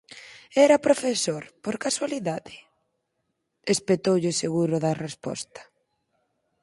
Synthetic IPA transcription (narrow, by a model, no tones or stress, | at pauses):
ɛɾɐpɾofesoɾpoɾkaswaliðaðɪ | espet̪owʎɪseɣuɾʊðɐrespɔ̰st̪ɐ̥